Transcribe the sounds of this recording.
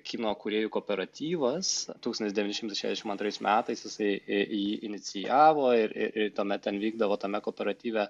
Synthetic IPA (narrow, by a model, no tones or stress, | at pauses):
kʲiːnoːkʊɾʲeːjʊkoːpʲɛɾɐt̪ʲiːʋɐst̪uːksont̪ʲɪsd̪ʲɛʋʲinʲɪʃʲɪmt̪ɐɪʃʲæ̰zʲd̪ʲɛʃʲɪmɐnt̪ɾɐɪsmʲæːt̪ɐɪsjɪsɐɪjiːʔɪnʲɪt͡s̪ʲɪjæːʋoːɪɾɪ̰ɾɪrt̪oːmʲɛt̪̚t̪ʲɛnʋʲiːɡd̪ɐʋoːt̪ɐmʲɛkoːpʲɛɾɐt̪ʲiːʋʲɛ